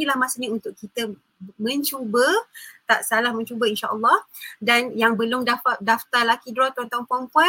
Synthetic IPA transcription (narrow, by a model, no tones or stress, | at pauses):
ilahmasəniunt̪ʊʔkit̪ə | mə̃ɲt͡ʃubət̪aʔsalahmə̃ɲt͡ʃubəinʃaʔəlːɔhdanjaŋbəlʊmdafadaft̪alakidɾɔt̪ɔnt̪aŋpɔmpɔ